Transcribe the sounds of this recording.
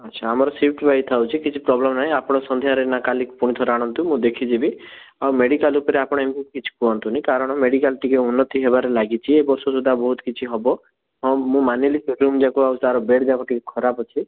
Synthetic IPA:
ətːʃʰaːmɔɾɔsipʰʈbajit̪ʰawt͡ʃʰikit͡ʃʰipɾɔblemnaɦĩapɔɽ̃ɔsɔnd̪ʱjaɾenakalikpuɽ̃it̪ʰɔɾaɽ̃ɔnt̪umũd̪ekʰid͡ʒibi | awmeɖikalupɔɾeapɔɽ̃emikit͡ʃʰi̥kuɔnt̪unaĩkaɾɔɽ̃ɔmeɽikalʈikeunːɔt̪iɦebaɾelaɡit͡ʃʰiebɔɾsɔsud̪ʱabɔɦut̪kit͡ʃʰiɦɔbɔ | ɦɔmũmanilisɾumd͡ʒakoawsaɾɔbeɽd͡ʒakɔʈikekʰɔɾapɔt͡ʃʰi

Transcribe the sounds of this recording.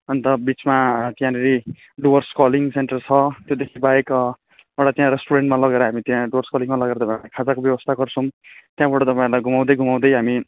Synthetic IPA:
ʌnt̪ʌbit͡smat̪jãneɾi | ɖuʌrskʌliŋseɳʈʌrt͡sʰʌt̪jod̪ekʰibajek | ewʈat̪jãɾesʈuɾeɳʈmalʌɡeɾʌɦamit̪jãɖuʌrskaliŋmalʌɡeɾʌt̪ʌpaĩlajkʰad͡zakobjʌwʌst̪ʰaɡʌrt͡sʰʌw̃t̪jãbaʈʌt̪ʌpaĩlajɡʱumaw̃d̪ʌjɡʱumaw̃d̪ʌjɦami

